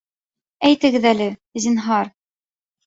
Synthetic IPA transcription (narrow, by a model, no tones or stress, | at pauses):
æjt̪ɘ̆ɡɘðælɘzʲinɦɑɾ